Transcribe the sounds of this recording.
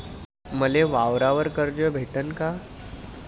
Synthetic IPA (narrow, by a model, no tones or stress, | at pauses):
məleʋaʋɾaʋəɾkəɾd͡ʑəbʱeʈənka